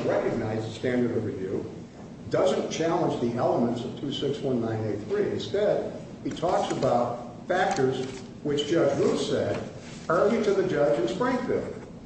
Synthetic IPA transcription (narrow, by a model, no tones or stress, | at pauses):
ɹɛkɨɡ̚naɪzstæ̃ndə˞ɾʌvɹɨvjʉ̰ | dʌzɨ̃nt͡ʃʰælˠə̃nd͡ʒðiʔɛlˠəmə̃ntsʌv̥tʰʉsɪkswʌ̃nːãɪ̃neɪt̪̚θɹiɨ̃nstɛd̚ | itʰɔksəbaʊt̚ | fæk̚tə˞z | wɨt͡ʃd̥ʒ̥ʌd͡ʒɹuθsɛɾ | ɜ˞lˠiɾɨðɨd͡ʒʌd͡ʒɨ̃nspɹɪ̃ŋθɪ